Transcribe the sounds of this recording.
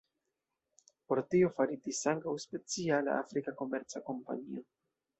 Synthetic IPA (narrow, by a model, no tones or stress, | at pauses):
po̞ɾtio̞faɾidisaŋkawspe̞t͡siala̰ʔa̰fɾikako̞me̞ɾt͡sako̞mpa̰ɲio̞